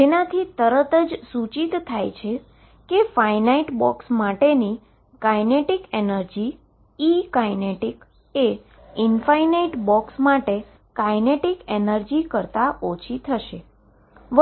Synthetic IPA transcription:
d͡ʒenat̪ʰit̪əɾət̪əd͡ʒsut͡ʃit̪t̪ʰːajt͡ʃʰe | kefajnaiʈbɔksmaʈeni | kajneʈikenəɾd͡ʒiː | kajneʈik | e | infainaiʈbɔksmaʈe | kajneʈikenəɾd͡ʒikəɾt̪aʔot͡ʃʰit̪ʰəʃe | ʋ

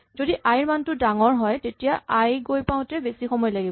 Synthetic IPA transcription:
zodiʔajɹmantʊdaŋɔɹɦɔjtetijaʔajɡojpãʊ̃tɛbesixɔmɔjlaɡib

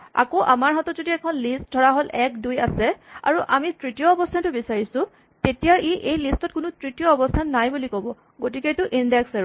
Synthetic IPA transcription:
a̰koʔamaɹɦatɔtzodiɛkʰɔnlist̚dʱɔɹaɦolʔɛk̚duja̰sɛa̰ɹuʔamitɹitijɔːbɔstʰantʊbisaɹisʊ̃ | tetijaɹʔiʔejlistɔt̚kʊnʊtɹitijɔːbɔstʰanːajbulikɔbɔ | ɡot̬iketʊʔindɛksaɹ

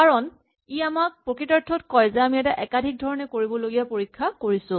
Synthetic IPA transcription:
kaɹɔn | iamak̚pɹokitɔɹtʰːɔtkɔjzɛamiɛtaʔɛkadʱik̚dʱɔɹɔnɛkoɹibɔloɡijapoɹikʰːakoɹisʊ̃

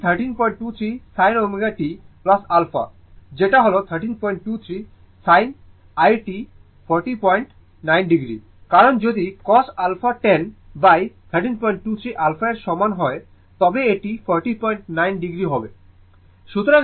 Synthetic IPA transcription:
t̪ʰəɾʈinpɔjɳʈ̚ʈut̪ʰɾisajnomeɡaʈiplasalfa̰ | d͡ʑeʈaɦolot̪ʰəɾʈinpɔjɳʈːut̪ʰɾi | sajn | ajʈi | pʰɔɾʈipɔjɳʈ | najnɖiɡɾḭ | kaɾond͡ʑod̪ikɔsalfaʈenbajt̪ʰəɾʈinpɔjɳʈ̚ʈut̪ʰɾiʔalfaeɾʃɔmanɦɔe | t̪ɔbeeʈifʰɔɾʈipɔjɳʈnajnɖiɡɾiɦɔbe | ʃut̪oɾa

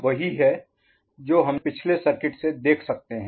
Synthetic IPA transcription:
ʋɐɦiɦɛ | d͡ʒoːɦɐmpɪt͡ʃʰlesɐɾkɪʈsed̪eːkʰsɐk̚t̪eɦɛ̃ː

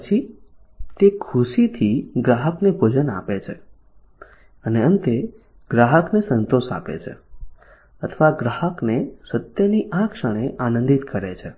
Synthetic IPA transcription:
pət͡ʃʰi | t̪ekʰuʃit̪ʰiɡɾaɦəknebʱod͡ʒəna̰pet͡ʃʰe | əneənt̪e | ɡ̥ɾaɦəknesənt̪oʃa̰pḛt͡ʃʰḛ | ət̪ʰəʋaɡɾaɦəknesət̪jəniʔakʃəɽ̃eʔanə̃nd̪it̪kəɾet͡ʃʰe

